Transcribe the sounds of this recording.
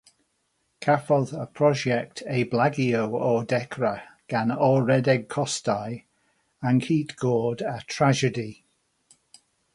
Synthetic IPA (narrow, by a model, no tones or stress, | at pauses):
kʰafəlðəpʰɹ̥ɒd͡ʒɛk̚tʰeɪblaɡioʊɔdɛkʰɹəɡ̥anɔɹɛdɛɡ̚kʰɔstaɪ | ə̃nkʰiːˑtɡ̥ɔːdətʰɹ̥ad͡ʒədi